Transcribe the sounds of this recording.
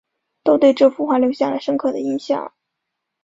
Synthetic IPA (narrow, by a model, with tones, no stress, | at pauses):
t̪o˥ʊt̪we˥˧ɪʈ͡ʂɤ˥˧˩fu˥xwa˥˩ljo˧˥ʊɕja˥˩la̰˧˥ɪʂɤ˥ŋkʰɤ˥˩d̪ə˩i˧˥nɕjɑ̰˥˩ŋ